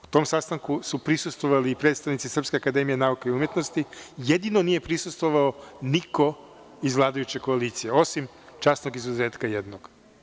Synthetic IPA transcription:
u̥t̪o̞msast̪aŋkusupɾisust̪ʋoʋaliːpɾe̞t̪st̪aʋnit̪sisr̩pskʲe̞akad̪e̞mijenaukaiumje̞t̪no̞st̪ijed̪inonije̞pɾisust̪ʋoʋaoniko̞ | izvlˠaːd̪ajut͡ɕeko̞aliːt̪sijeo̞sim | t͡ʃaːsno̞ɡizuzeːt̪kajed̪noɡ̥

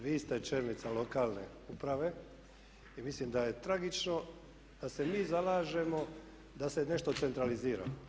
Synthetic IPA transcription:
ʋiːst̪e̞t͡ʃeɾnit̪salo̞kaːlˠne̞̰ | upɾaʋe̞ | imislimd̪aje̞t̪ɾaɡit͡ʃno̞ | d̪̥ase̞miːzalaːʒe̞mo̞ | d̪ase̞ne̞ʃt̪o̞t̪se̞nt̪ɾaliziːɾa̰

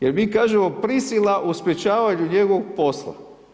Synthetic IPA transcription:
jeɾmiːkaːʒemo̞pɾisilˠaʔuspʲjet͡ʃaːʋaɲuɲeɡoʋoɡ̚po̞slˠa̰

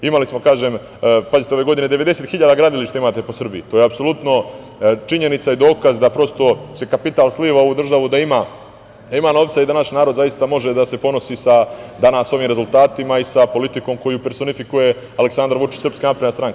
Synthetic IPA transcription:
imalismokaːʒeːm | pazit̪eo̞ʋe̞ɡo̞d̪ine̞d̪e̞ʋe̞d̪e̞seːt̪xiʎaːd̪aɡɾad̪iliʃt̪aimaːt̪e̞po̞sr̩biit̪o̞ːjeapso̞lut̪no̞ | t͡ʃiɲe̞nit̪said̪o̞ːkazd̪apɾo̞st̪o̞sekapit̪aːlsliːʋaouːd̪r̩ʒaʋud̪aimaː | d̪aimaːno̞ːʋt̪said̪anaʃnaːɾod̪zajist̪amo̞ʒe̞d̪ase̞po̞no̞siːsad̪anaːso̞ʋiːmɾezulˠt̪aːt̪imaisapo̞lit̪iko̞ːmko̞jupeɾso̞nifikuje̞ | aleksand̪ɾʋut͡ʃi̥t͡ɕsrɾpskanapɾed̪nast̪ɾaŋk

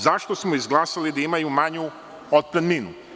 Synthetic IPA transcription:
zaʃt̪osmoizɡlˠaːsalid̪aimajumaɲu | od̪̚pɾed̪minu

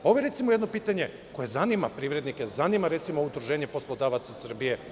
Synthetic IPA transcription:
o̞ʋojeɾe̞t̪simojed̪no̞piːt̪aɲe̞ | ko̞je̞zanima̰pɾiːʋvɾe̞d̪nikezanimaɾe̞t̪simo̞ud̪ɾuʒe̞ːɲe̞po̞slˠod̪aʋat̪sasr̩bije̞

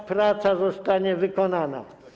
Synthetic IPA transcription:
pɾat̪sazɔst̪aɲɛvɘkɔnana̰

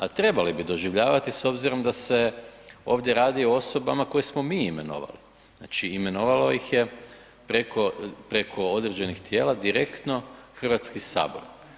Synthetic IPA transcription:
at̪ɾe̞balibid̪o̞ʒiʋʎaːʋat̪iso̞bziɾo̞md̪ase̞o̞ːʋd̪ʲje̞ɾaːd̪io̞o̞so̞bamako̞jesmo̞miːime̞̰no̰ʋa̰li | na̰ːt͡ʃiime̞no̞ʋalo̞jixje | pɾekʰopɾe̞kʰo̞o̞d̪ɾed͡ʑe̞nixt̪je̞ːlad̪iɾe̞kt̪no̞xr̩ʋat̪skisa̰ːbo̞̰ɾ

